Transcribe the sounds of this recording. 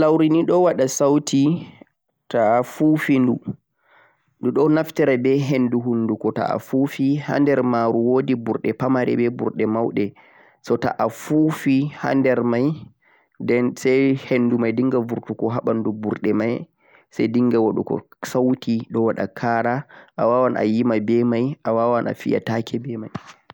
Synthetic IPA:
lawɾiniɗɔwaɗasawtʰi | taːfufindu | nduɗɔnaftɛɾabɛɦenduɦunːdukɔta̰a̰fufiha̰ndɛɾmaɾuwodibuɾɗɛpamaɾɛ̰bɛbṵɾɗɛmawɗɛ | sɔta̰ʔafufiha̰ndɛɾmaj | dɛsajhendumajdiŋɡavuɾtukɔɦaɓandubuɾɗɛmaj | sajdiŋɡawaɗṵkɔ̰sawtiɗɔwaɗa̰kʰaɾaʔawawanʔa̰jimabɛmajʔawawanʔa̰fḭja̰takʰɛbɛmaj

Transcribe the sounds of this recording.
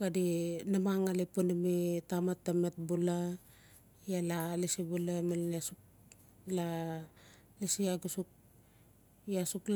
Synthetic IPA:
ɡadinamaŋalipunimitamatːamet̚bula | jalalisibulamalniasuk̚ | la | lisiaɡusuk̚ | jasukl

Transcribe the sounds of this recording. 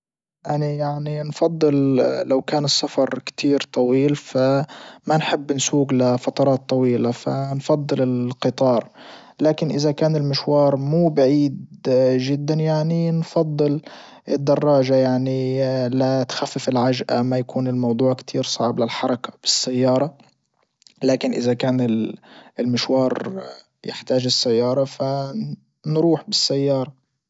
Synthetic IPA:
ʔanajaʕninfɑd̪ˤːɨllawkaːnɨsːafɑɾˤkt̪ʰiːɾt̪ˤɑwiːlfamanħɪbːɪnsuːɡlafɑt̪ˤɑɾˤɑːt̪ˤːɑwiːlafanfɑd̪ˤːɨlɪlqɨt̪ˤɑːɾˤ | laːkɪnʔɪzakaːnɪlmɪʃwɑːɾˤmuːbaʕiːd̪ʒɪd̪ːanjaʕninfɑd̪ˤːɨl | ʔɪd̪ːɑrˤːɑːʒajaʕnilat̪xafːɪfɪlʕaʒʔamajakuːnɪlmɑwd̪ˤuːʕkt̪ʰiːɾsˤɑʕblɪlħɑɾˤɑkḁb̥ɪsːajːɑːɾˤɑ | laːkɪnʔɪzakaːnɪɪlmɪʃwɑːɾˤ | jɪ̰ħt̪aːʒɪsːajːɑːɾˤɑfa | nɾuːħbɪsːajːɑːɾˤɑ

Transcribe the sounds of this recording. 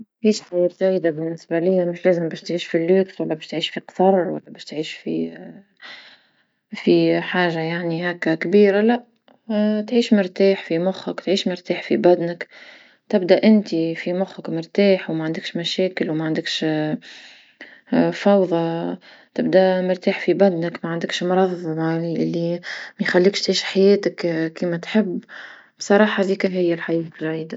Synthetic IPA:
ʕiːʃt̪ajɪɾt̪æjd̪abɪnːɪsbalɪjːamɪʃlæːzɪmbæːʃt̪ʕiːʃfilːuːkswælːæbæːʃt̪ʕiːʃfiqsɑrˤwæ̰lːæbæːʃt̪ʕiːʃfḭ | fiħaːʒajaʕnihækːækbiːɾalæʔ | t̪ʕiːʃmɪɾt̪aːħfimʊxːəkt̪ʕiːʃmɪɾt̪aːħfḭbæd̪nək | t̪ɪbd̪æʔɪnt̪ifimʊxəkmɪɾt̪aːħwmaʕand̪ɪkʃmaʃeːkɪlwmaʕand̪ɪkʃ | fɑwðˤɑ | t̪ɪbd̪amɪɾt̪aːħfibad̪nəkmaʕand̪ɪkʃmʊɾˤɑðˤːɑmɑʔɪlːimajxalːiːkʃt̪ʕiːʃħajeːt̪akkːiːmat̪ħɪbː | bsˤɑɾˤɑːħɑðiːkɪɦɪjːalħajɛːt̪ʒʕiːd̪a

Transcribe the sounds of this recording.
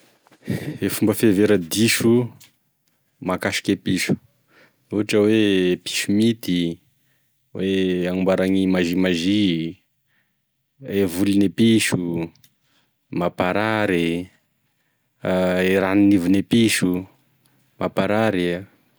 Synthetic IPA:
efumbəfeveɾəd̪iʃu | makaʃi̥kʲepiʃu̥ | uaʈ͡ʂəwepi̥ʃumit̪i | wʔeaŋumbaɾaŋimazimaʒi | evulinepiʃu | mapaɾaɾi | eɾaninivunepiʃu | mʔapaɾaɾi

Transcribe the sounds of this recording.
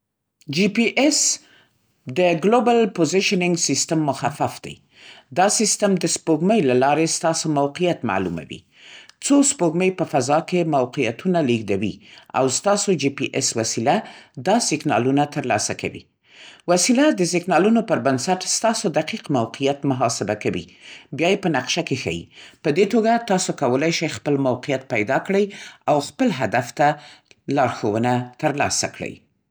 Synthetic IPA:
d͡ʒipiʔes | d̪əɡlobalpozɪʃnɪŋɡsist̪amːʊxafafd̪a̰j | d̪ɑsist̪amd̪əspoɡməjlalɑɾest̪ɑsomawqijat̪ma̰lṵma̰wḭ | t͡sospoɡməjpəfazɑkemawqija̰t̪unaliɡd̪awḭa̰wst̪ɑsod͡ʒipiʔeswasilad̪ɑsɪɡnɑ̰lunat̪əɾlɑ̰saka̰wḭ | wasilad̪əsɪknɑlunopəɾbansaʈst̪ɑsod̪aqiqmawqijat̪mʊɦɑsɪbakawḭbjɑjepənaqʃakexa̰jḭpəd̪et̪oɡat̪ɑsokawəlajʃajxpəlmawqijat̪̚pajd̪ɑkɽəjawxpəlɦad̪aft̪alɑɾxowənat̪əɾlɑ̰sa̰kɽə̰j

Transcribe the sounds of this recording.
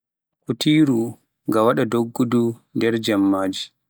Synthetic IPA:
kutiːɾu | ŋɡawaɗadoɡːudundɛɾd͡ʒamːaːd͡ʒi

